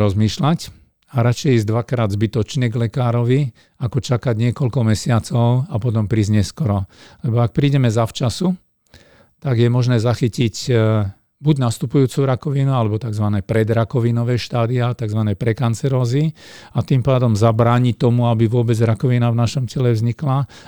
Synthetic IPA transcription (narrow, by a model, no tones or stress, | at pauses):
ɾɔzmiːʃlac | aɾat͡ʃɛjiːzd̪ʋakɾaːd̪zbit̪ɔt͡ʃɲɛɡlɛkaːɾɔʋi | akɔt͡ʃakaɟɲɪɛkɔlkɔmɛsɪat͡sɔʊapɔt̪̬ɔmpɾiːzɲɛskɔɾɔlɛbɔak̚pɾiːɟɛmɛzaft͡ʃasu | t̪aɡjɛmɔʒnɛːzaxicic | buɟnast̪upujuːt͡suɾakɔʋinualɛbɔt̪aɡzʋanɛːpɾɛd̪ɾakɔʋinɔʋɛːʃt̪aːd̪iat̪aɡzʋanɛpɾɛkant͡sɛɾɔːziat̪impaːd̪ɔmzabɾaːɲict̪ɔmuabiʋʊɔbɛd͡zɾakɔʋinavnaʃɔmcɛlɛvzɲikla